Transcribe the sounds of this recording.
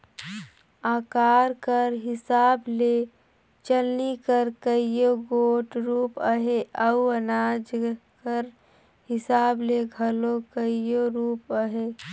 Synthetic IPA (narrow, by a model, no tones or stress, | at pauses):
aːkaːɾkəɾɦɪsaːble | t͡ʃəlnikəɾkəijoɡoːʈɾuːpəɦeʔəuənaːd͡ʒkəɾ | hɪsaːbleɡʱəlokəijoɾuːpəɦe